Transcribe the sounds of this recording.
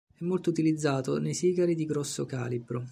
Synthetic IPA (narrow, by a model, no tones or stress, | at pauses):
ɛmːolt̪out̪ilid̪zːaːt̪onejsiːɡaɾid̪iɡɾɔsːokaːlibɾo